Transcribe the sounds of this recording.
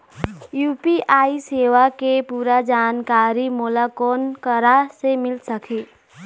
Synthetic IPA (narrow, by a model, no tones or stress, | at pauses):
jupiʔajsewakepuɾad͡ʒankaɾimulakonkʌɾasemilsʌkʰi